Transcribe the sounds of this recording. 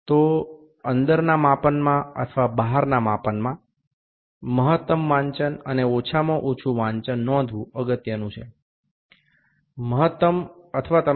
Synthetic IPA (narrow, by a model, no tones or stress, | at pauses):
t̪o | ənd̪əɾnamãpənmãə̰t̪ʰəʋabaɦaɾnamapənmã | məɦət̪ːəmʋãɲt͡ʃənəneot͡ʃʰamõʔot͡ʃʰũʋãɲt͡ʃənːɔ̃d̪ʱʋũəɡət̪jənũt͡ʃʰe | məɦət̪ːəmət̪ʰəʋat̪ə